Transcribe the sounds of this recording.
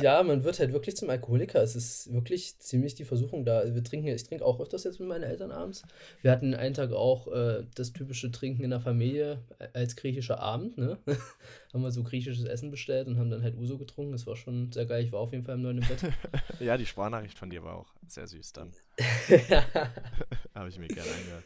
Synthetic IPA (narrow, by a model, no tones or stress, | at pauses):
jaːmanvɪɐthaltvɪɐklɪçt͡sʊmalkohoːlɪkʰɐɛsɪstv̥ɪɐklɪçt͡siːmlɪçd̥iːfɛɐzuːxʊŋdaːazoviːɐtʁ̥ɪŋkŋ̩jaɪçtʁ̥ɪŋkəʔa̰ʊxʔœftɐsjɛt͡smɪtmaɪnənʔɛ̰ltɐnʔa̰ːbm̩t͡sviːɐhatn̩dnʔa̰ɪntʰaːka̰ʊxʔɛːd̥astʰyːpɪʃətʁ̥ɪŋkŋ̩ɪndeɐfamiːljəʔalsɡ̥ʁiːçɪʃɐʔa̰ːbm̩tnə | haːbm̩viːɐzoːɡʁiːç̬ɪʃəsʔɛ̰sn̩bəʃtɛltʊnthaːbm̩danɦaltʔuːzoɡətʁ̥ʊŋkŋ̩ɛsv̥aːɐʃoːnzeːɐɡaɪlɪçv̥aːɐaʊfjeːdn̩falɪmnɔɪnɪmbɛtjaːdiːʃpaːnaːχɪçtfɔndiːɐva̰ːa̰ʊxz̥ḛːɐzy̰ːsd̥a̰n | a | haːbəɪçmiːɐɡɛɐnəʔa̰ɪnɡəhø̰ː